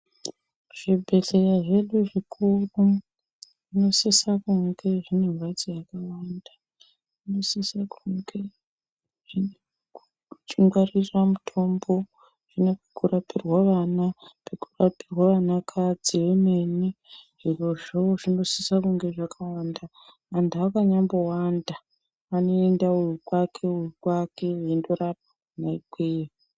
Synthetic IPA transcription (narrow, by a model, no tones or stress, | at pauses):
ʐ̥ibʱe̞ɬe̞raʐe̞ɗuʐikʰuru | ʐino̞sisakuŋɡe̞ʐine̞ɱwad͡zijakawanda | ʐino̞sisakuŋɡe | ʐ̥ine | u | t͡ʃiŋɡariramutʰo̞mbo | ʐ̥inepekurapʰirwaʋanapekurapirwaʋanakʰad͡ziʋeme̞niʐiro̞ʐoʐino̞sisakuŋɡe̞ʐakʰawandaː | ndaakaɲambowanda | ano̞endaujukwakʰe̞ujukwake̞endoɾap̚ḁ | naikweji